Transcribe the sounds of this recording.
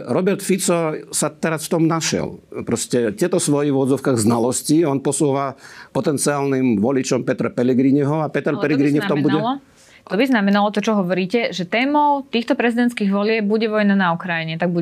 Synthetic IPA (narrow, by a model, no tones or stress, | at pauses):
ɾɔbɛɾt̪fit͡sɔsat̪ɛɾasft̪ɔmnaʃɪɛ̰lpɾɔscɛt̪ɛt̪ɔsʋɔjiʊɔd̪d͡zɔʊkaɣznalɔsciɔnpɔsuɔʋapɔt̪ɛnt͡siaːlnimʋɔlit͡ʃɔmpɛt̪ɾapɛlɛɡɾiɲiɦɔapɛt̪ɛɾpɛlɛɡɾiɲɛft̪ɔmbuɟɛlɔ | t̪ɔbiznamɛnalɔt̪ɔt͡ʃɔɦɔʋɔɾiːcɛʒɛt̪ɛːmɔʊt̪iːxt̪ɔpɾɛzid̪ɛnt̪t͡sskiːɣʋɔlɪɛb̚buɟɛʋɔjnanaukɾajiɲɛt̪aɡ̚buɛ